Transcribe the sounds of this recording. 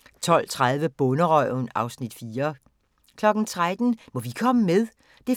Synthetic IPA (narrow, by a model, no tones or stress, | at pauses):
t͡sʰɒ̽l̰t͡sʰʁaðˠʋəb̥ɔ̽nəʁɒ̰ʊnɑ̈ʊsnid̥fiːɐ | kʰlɒ̽ɡ̥n̩t͡sʰʁad̥n̩mɒ̽ʋikʰɒ̽məmeðˠ | d̥e̝